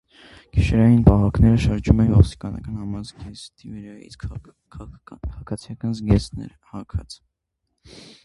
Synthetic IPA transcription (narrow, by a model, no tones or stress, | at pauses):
ɡ̥iʃɛɾɑjinpɑɦɑknɛɾəʃɑɾd͡ʒumɛnvɔst̪i̥kɑnɑ̰kɑnhɑmɑzɡɛst̪ivɛɾɑḭt͡sk | kkʰʁkʰɑt͡sʰjɑkɑnzɡɛsnɛ̰ɾ | hɑkʰɑt͡sʰ